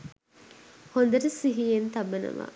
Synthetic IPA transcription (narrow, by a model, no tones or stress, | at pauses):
hond̪ɐɾesiɦijent̪ɐbenɐ̰ʋa̰ː